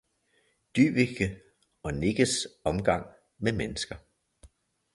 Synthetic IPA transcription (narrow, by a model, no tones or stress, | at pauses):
d̥y̰ːb̥iɡ̥ə | ɒ̽ne̝ɡ̥əsɒ̽mɡ̥ɑ̈ŋ̰ | memenəsɡ̥ɐ